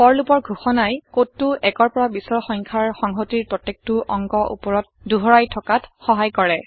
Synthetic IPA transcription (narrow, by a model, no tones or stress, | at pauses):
pɔɹlupɔɹɡʱuxɔnajkotːuʔɛkɔɹpɔɹabisɔɹxɔŋkʰaɹxɔŋɦotiɹpɹɔtːek̚tuʔɔŋɡɔʔṵpɔɹɔt̚ | duɦɔɹajtʰɔkatxɔɦajkɔɹɛ